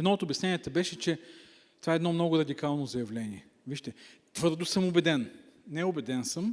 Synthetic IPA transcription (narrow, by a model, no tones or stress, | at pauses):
ɛd̪nɔot̪ʊbjɐsnɛnʲiɛt̪əbɛʃɛt͡ʃɛ | t̪ovaɛd̪nɔmnɔɡʊɾɐd̪ikalˠnozɐjɐvlɛniɛ | viʃt̪ɛ | t̪vɤɾd̪ʊsɤmʊbɛd̪ɛnnɛʊbɛd̪ɛnsɤm